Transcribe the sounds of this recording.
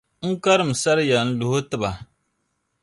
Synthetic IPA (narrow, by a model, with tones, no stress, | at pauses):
ŋ̩˦ka˦ɾɨ˦˨m̩˨sa˦ɾɨ˦ja˨n̩˦lʊ˨hʊ˦tɨ˦ba˨